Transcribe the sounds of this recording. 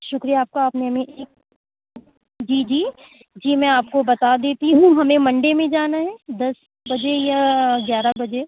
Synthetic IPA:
ʃʊkɾijaːp̚kaaːpneɦɐmẽʔeːk̚ | d͡ʒiːd͡ʒiː | d͡ʒiːmɛ̃aːp̚kobɐt̪ad̪eːt̪iɦũɦɐmẽmɐ̃ɳɖemẽd͡ʒaːnaɦɛːd̪ɐs | bɐd͡ʒejaɡjaːɾabɐd͡ʒe

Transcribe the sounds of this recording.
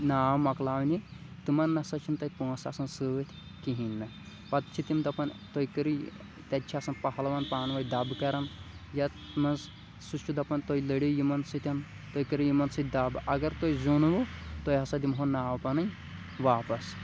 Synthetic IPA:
naːmɐklaːʋnʲi | t̪ɨmɐnːɐsɐt͡ʃʰint̪ɐjpõːsɐsɐnsɨt̪ʰʲ | kiɦinːɐ | pɐt̪t͡ʃʰit̪imd̪ɐpɐnt̪ojkɐɾi | t̪ʲɐt͡ʃʰiasɐnpɐɦɐlʋanpaːnʋɐjd̪ɐbkɐɾɐn | jɐ | mɐnz | sut͡ʃʰːud̪ɐpɐnʲt̪oilɐɽijimɐnsɨt̪ʲɐn | t̪oːjkɐɾijimɐnsɨt̪̚ʰʲd̪ɐbɐɡɐɾt̪ojzunʋut̪ojɦɐsɐd̪imɦonaːʋpɐnɐj | ʋaːpɐs

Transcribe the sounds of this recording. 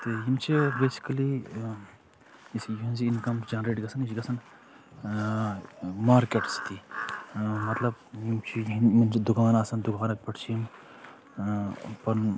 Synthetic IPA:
t̪ɨjimt͡ʃʰibeːsi̥kɐli | isjiɦĩnziinkɐmsd͡ʒɐnɾeːʈɡɐsɐnit͡ʃiɡɐsɐn | maːɾkeʈst̪ʰi | mɐt̪lɐbjimt͡ʃʰijnminid̪ukaːnaːsɐnd̪ukaːnɐkpɐʈʰt͡ʃʰim | pɐn

